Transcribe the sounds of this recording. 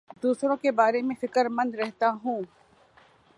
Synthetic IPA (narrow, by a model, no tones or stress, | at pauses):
d̪uːsɾõkebaːɾemẽfɪkəɾmɐ̃nd̪ɾɛɦt̪aɦũː